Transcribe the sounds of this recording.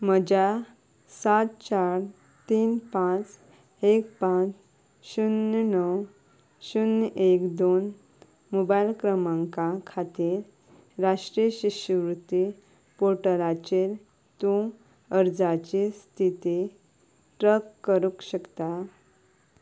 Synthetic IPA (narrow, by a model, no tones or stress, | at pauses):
məd͡ʑa | sat̪t͡ɕaɾ | t̪iːnpãt͡s | ek̚pãt͡s | ɕunnəw | ɕunekd̪on | mobajlkɾəmãŋkakʰat̪iːɾː | aʂʈɾiəɕiɕəʋɾut̪ːi | poɾʈəlat͡ɕiɾ | t̪ũ | əɾd͡zat͡ɕist̪ʰit̪i | ʈɾəkːəɾukɕəkt̪a